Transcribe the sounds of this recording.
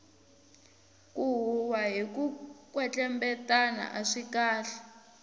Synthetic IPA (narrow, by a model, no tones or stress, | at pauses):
kuɦuwaɦikukwɛt͡ɬɛmbɛtana̰ʔaʂikaːɬɛ̥